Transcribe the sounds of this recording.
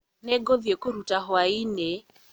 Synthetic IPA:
nɛɡɔðjekoɾutaɦwainɛ

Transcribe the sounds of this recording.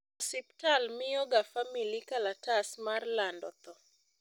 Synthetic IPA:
sip̚talmɪjɔɡafamilikalatasmarlandɔ̰t̪ɔ

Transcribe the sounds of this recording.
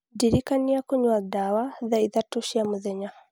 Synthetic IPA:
diɾikaniakuɲwadawaðaiðatuʃiamuðɛɲa

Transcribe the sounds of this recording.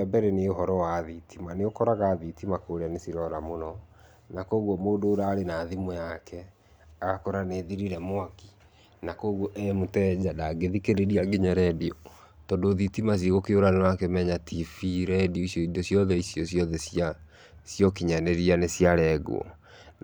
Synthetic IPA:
ɛbɛɾɛneoɦɔɾɔwaðitʰimaneokɔɾaɣaːðitimakoɾeanesiɾɔɾamonɔ | nakoːɣwɔmoːdoːɾaːɾenaðimɔjakʰɛ | aɣakɔɾaneːðiɾiɾɛmwaki̥ | nakoːɣwɔʔɛmotɛd͡ʑadaɡeðikeɾeɾiaɡeɲaɾɛdiɔ | tɔndoːðitimas̬iɣokeoɾanewakemɛɲatifiɾɛdiɔisjɔidosjɔðɛisjɔsjɔðɛsja | sjɔkiɲanɛɾianesjaɾɛɡṵɔ̰

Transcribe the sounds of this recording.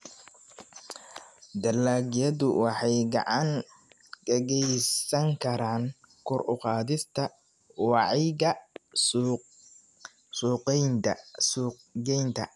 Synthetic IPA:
d̪ɐlaːɡjɐðʊwʔɑħɑjɡɑ̰ʕɑŋ | ɡ̥ɐɣɛjsɐŋkʰɐɾaːŋ | kʰʊɾʔʊqɑːðɪst̪ʰɐ | wɑʕɪɣɐ | suːqɛjnɐs | ɡɛjnt̪ʰɐ̰

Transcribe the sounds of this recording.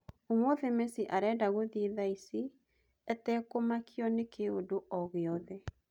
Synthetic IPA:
omoðemesiʔaɾɛdaɣoðiiðaisi | ɛtɛkomakʰjɔnekʰeodoʔɔɣeɔðɛ

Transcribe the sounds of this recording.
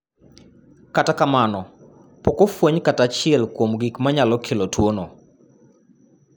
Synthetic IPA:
katakamanɔ | pokofwoɲkatat͡ʃɪɛlkwomɡikmaɲalɔkʰelotwono

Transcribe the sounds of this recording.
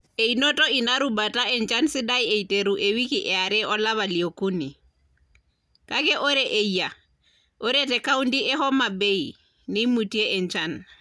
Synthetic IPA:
einotoinaɾubataɛnt͡ʃansidajeiteɾuʔewikiʔɛaɾɛʔɔlaβaliokuni | kakɛʔoɾeʔeja | ʔoɾetɛkaundiʔɛhɔmabej | nimutieʔɛnt͡ʃan

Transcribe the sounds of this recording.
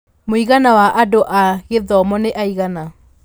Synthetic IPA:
moiɣanawaʔadoʔaɣeðɔmɔneʔaiɣana

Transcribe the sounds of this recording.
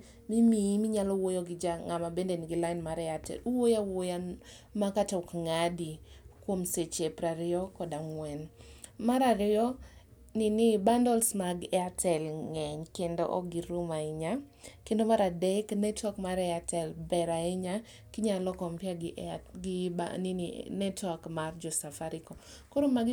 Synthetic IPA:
mimimiɲalɔwojoɡɪd͡ʒaŋamabendenɪɡɪlaɪnmaɾɛatɛ̰luwojawoja | makatɔkŋadikwomset͡ʃepɾaɾɪɔkɔdaŋwɛnmaɾaɾɪɔ | nɪnɪbandɔlsmaɡɛatʰɛlŋɛɲkendo̰ʔɔ̰ɡiɾumaɪɲa | kendomaɾadɛknɛtwakmaɾɛatɛlbɛɾaiɲa | kiɲalɔkɔmpjaɡɪʔɡiba̰nininɛtwakmard͡ʒɔsafaɾikɔ | koɾomaɡ

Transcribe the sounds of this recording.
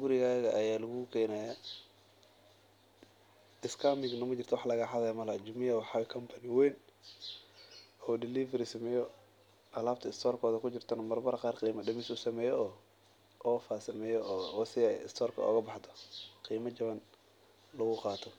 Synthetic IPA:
ɡʊɾɪɣaːɣɐʔɐjaːlɐɣʊkʰɛːnɐja | ɪskʰamɪɡnɐmɐt͡ʃɪrt̪ʰɔwɑħlɐɣaħɑðɛjmɐlad͡ʒʊmɪjɐwħɑwɛkʰɐmpʰɐnɪwɛːn | ɔːdɪlifɐɾisɐmɛːjɔ | ʔɐlaːb̚t̪ʰɐɪst̪ʰɔːrkʰɔːðɐkʰʊt͡ʃɪrt̪ʰɐnɐmɐrbɐɾɐqɑːrqiːmɐdɐmɪsʊsɐmɛːjɔɔː | ʔɔːfaːsɐmɛːjɔɔsɪɛjɪ̰st̪ʰɔːrkʰɐ̰ɔ̰ːɣɐbɑħt̪ʰɔ̥qiːmɐt͡ʃɐβɐn | lɐɣʊqɑːt̪ʰɔ

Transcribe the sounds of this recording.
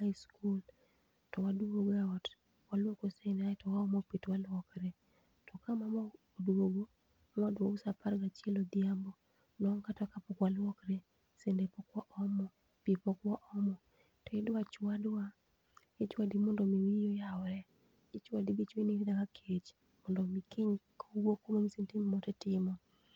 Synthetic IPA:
hajskul | tɔwadoɡɛɔt | walwokosendeatɔwaɔmɔpitwalwɔkɾe | tʰɔkamamɔ | odwoɡo | mɔdwausapaɾɡat͡ʃɛlodiambɔ | nɔŋkatkapɔkwalwɔkɾe | sendepɔkwɔʔɔmɔ | pipɔkwɔʔɔmɔ | tɔɪdwat͡ʃwadwa | et͡ʃwadimɔndɔmiwijojaɔɾɛ | ɪt͡ʃwadibit͡ʃweniɾidakakʰet͡ʃ | mɔndɔmikʰiɲkʰoɡwokomomisentimmɔtɛtɪmɔ

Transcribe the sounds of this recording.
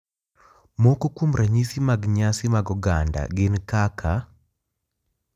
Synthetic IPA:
mokokumɾʔaɲisimaɡɲasimaɡɔɡanda̰ɡenkakʰa

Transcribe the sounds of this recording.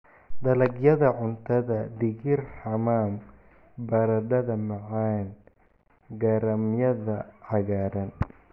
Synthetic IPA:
d̪ɐlɐɡjɐðɐʕʊnt̪ʰɐðɐd̪ɪɣɪrħɑmaːm | bɐɾɐd̪ɐðɐmɐʕaːn | ɡɐɾɐmjɐðɐʕɑɣaːɾɐn

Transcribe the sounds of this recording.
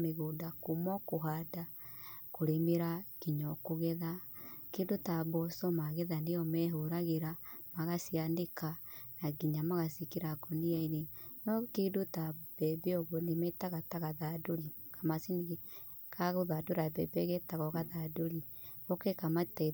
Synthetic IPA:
meɣoːdakomɔkoɦadakoɾemeɾaɡiɲɔkoɣɛðakeːdotaβɔsɔmaɣeðaneɔmɛɦoɾaɣeɾamaɣasiandekanaɡiɲamaɣasikeɾakɔniainenɔkeːdotab̥ɛbeɔɣwɔnemɛtaɣataɣaðadoɾikamasiniɣe | kaɣoðadoɾabɛbɛɣɛtaɣɔɣaðadoɾi | ɔkɛkamatɛ

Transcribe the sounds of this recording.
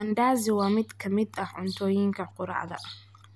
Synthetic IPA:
ɐnd̪aːzɪwaːmɪd̪kʰɐmɪd̪ɐʕʊnt̪ʰɔːjɪŋkʰɐqʊɾɑ̰ʕd̪ɐ̰

